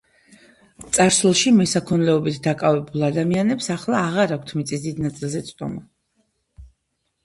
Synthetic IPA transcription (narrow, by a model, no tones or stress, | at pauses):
t̪sʼaɾslɔʃimɛsakʰɔnlɛɔbit̪ʰd̪akʼavɛbulˠad̪amianɛpsaχlˠaːʁaɾakʷʰt̪ʰmit̪sʼisd̪id̪nat̪sʼilˠzɛt̪sʼd̪ɔ̰mɔ